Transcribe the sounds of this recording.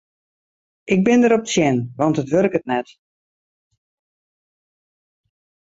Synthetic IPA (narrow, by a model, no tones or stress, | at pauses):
ʔɪɡ̚bɪndəɾɔp̚sjɛnʋɑntətʋølɪkət̚nɛt